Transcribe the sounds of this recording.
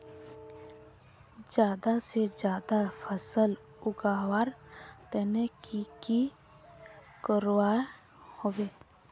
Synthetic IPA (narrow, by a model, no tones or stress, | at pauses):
d͡ʒjaːd̪ased͡ʒjaːd̪apʰəsəl | ʊɡaːwaɾt̪ɛːnekiki | kəɾwae | hoːwe